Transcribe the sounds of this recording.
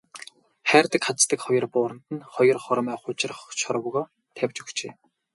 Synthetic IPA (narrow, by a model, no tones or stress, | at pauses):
χæːrt̪ə̆kχat͡st̪ə̆kχɔjɞ̆rpʊːɾə̆n̥t̪ɘ̆nχɔjɞ̆rχɔɾmæːχʊt͡ɕɪ̆rχt͡ɕʰɔɾwɣɔː | t̪ʰæwʲt͡ɕɵ̥xt͡ɕḛː